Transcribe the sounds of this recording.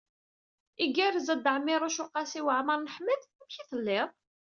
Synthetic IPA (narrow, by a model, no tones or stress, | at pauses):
iɡæɾzəd̪əʕmːɪɾˤoʃuqːɑsiwəʕməɾˤnəħməd̪mçiθəlːɪðˤ